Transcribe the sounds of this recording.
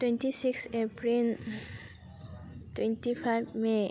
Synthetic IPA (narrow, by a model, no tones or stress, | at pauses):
twentisiksepɾil | twentipʰajbme